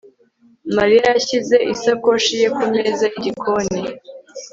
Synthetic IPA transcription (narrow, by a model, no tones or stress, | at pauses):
maɾijajaçize̞ʔisako̞ʃije̞kume̞zaiɟikʰone